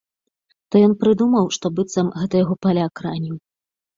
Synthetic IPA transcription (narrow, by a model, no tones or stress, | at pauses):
t̪ɔjɔnpɾɨd̪umɐwʂt̪ɔbɨt̪sɐmɣɛt̪ɐjaɣɔpalʲakɾanʲiw